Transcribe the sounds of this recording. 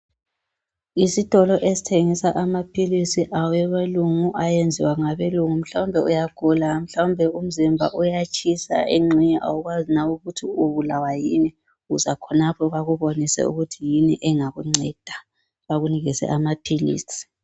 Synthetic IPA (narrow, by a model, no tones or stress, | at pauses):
isitʼɔlɔʔesi̥tʰeŋisaʔamapʰilisiʔawujɛβeluŋuʔajend͡zʱḭwaŋaβeluŋum̩ɬawmbʱɛujaɡ̥ʱulam̩ɬawumbʱɛum̩zimbʱa̰ʔujat͡ʃʰʼisa̰eŋ͡ǀʱiɲɛʔa̰wuɣwazinauɣutʰiuβulawajini | ɣuzakʰɔnapʰɔβaɣuβonisɛ̰ṵɣutʰijiniʔɛŋaɣuŋ͡ǀɛd̥ʱa | βaɣuniɣisɛ̰ʔamapʰilḭːsi̥